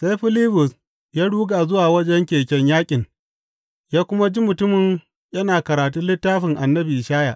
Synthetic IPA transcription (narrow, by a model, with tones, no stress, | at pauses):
se˦jɸɪ˦liː˦bʊ˨s | jaː˦ɽuː˦ɡaː˨zʊ˦waː˨wɐ˦d͡ʒɛ˦ŋkʲeː˨kʲɛ˦ɲjaː˦kʲʼɪ˨ŋ | jaː˦kʷʊ˦ma˦d͡ʒi˦mʊ˨tʊ˦mɪ˨ɲ | jɐ˦naː˨kɐ˨ɾaː˨t̬u˦nlɪ˦tːaː˦ɸɪ˨ŋʔa˨nːɐ˦bi˨ʔɪ˨ʃaː˦ja̰˨ʔ